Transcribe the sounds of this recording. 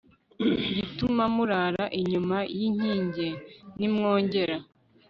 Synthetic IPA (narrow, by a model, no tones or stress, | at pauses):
ɟitumamuɾaɾaʔiɲumajiɲ̥iːɲɟenimŋoːɲɟe̞ɾa